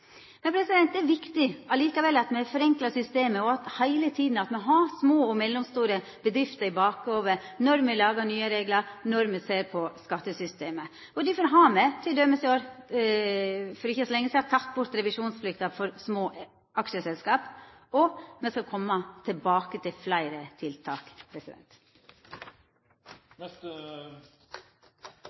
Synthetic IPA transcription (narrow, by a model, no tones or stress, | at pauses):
mɛnpʰɾɛsɪd̪ɛnt̪̚d̪ɛæɾʋɪkt̪ɪɑliːkɑʋɛlːɑt̪mɛfɔɾɛŋklɑsʏst̪eːməɔɑt̪hæɪlət̪ʰiːd̪n̩ɑt̪mɛɦɑsmoːɔmɛlːɔmst̪uːɾə | b̥əd̪ɾɪft̪əɾɪbɑːkoːʋəɾnɔɾmɛlɑːɡɑɳyːəɾeːɡləɾnɔɾmɛseːɾpʰɔskɑt̪ːəsʏst̪eːmə | ɔd̪ɪfɔɾɦɑːmɛt̪ʰɪld̪œmːəsɛɪoːɾ | fɔɾɪçːəsɔlɛŋːəsɛhɑt̪ʰɑt̪ːbʊɾt̪ɾɛʋɪʂuːnsflʏkt̪ɑfɔɾsmoːʔ | ʔɑkʃəsɛlskɑːpɔmɛskɑkʰɔmːɑt̪ʰɛlbɑːkət̪ʰɪlflæɪɾət̪ʰɪlt̪ʰɑːkpʰɾɛsɪd̪ɛ̰nt̪